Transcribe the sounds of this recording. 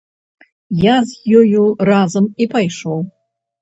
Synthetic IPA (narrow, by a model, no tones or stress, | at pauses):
jazjojurazɨmipʰajʂow